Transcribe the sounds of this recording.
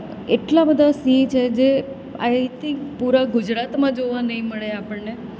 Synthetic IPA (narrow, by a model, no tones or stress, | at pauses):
eʈlabəd̪ʱasiːt͡ʃʰed͡ʒe | a̰jt̪ʰɪ̃ŋkpuɾaɡʊd͡ʒɾat̪mãd͡ʒoʋanəɦĩməɭeapəɳne